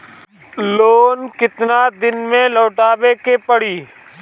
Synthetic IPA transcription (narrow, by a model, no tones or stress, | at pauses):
loːnkɪt̪naːd̪ɪnmẽːloːʈaːʋeːkeːpəɽiː